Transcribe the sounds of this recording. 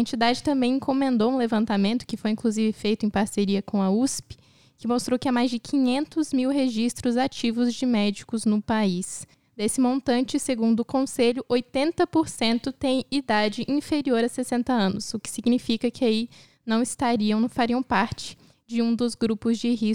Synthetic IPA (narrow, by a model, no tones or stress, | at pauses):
ɐẽnt͡ʃid̪ad͡ʒɪt̪ɐ̃mbẽj̃ẽŋkomẽnd̪owũlevɐ̃nt̪amẽnt̪ʊ̥kɪfojĩŋkluzivɪfejt̪ʊẽj̃paɾseɾiɐkõw̃ɐuspɪ̥ | kɪmost̪ɾowkɪamajzd͡ʒɪkʰĩɲẽnt̪ʊzmiwɦeʒist̪ɾʊzat͡ʃivʊzd͡ʒɪmɛd͡ʒikʊznʊpais | d̪esɪmõnt̪ɐ̃nt͡ʃɪseɡũnd̪ʊːkõseʎʊʔojt̪ẽnt̪ɐpoɾsẽnt̪ʊt̪ẽj̃id̪ad͡ʒɪʔĩfeɾioɾɐsesẽnt̪ɐɐ̃nʊsʊkɪ̥siɡnifikɐkɪai | nɐ̃w̃ɪst̪aɾiɐ̃w̃nɐ̃faɾiɐ̃w̃paɾt͡ʃɪ̥ | d͡ʒɪũd̪ʊzɡɾupʊzd͡ʒɪhi